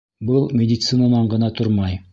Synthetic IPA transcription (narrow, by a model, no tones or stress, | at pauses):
bɤlˠmʲɪdʲɪt̪sɨnanɑɴɢɤ̆nɑt̪oɾmɑj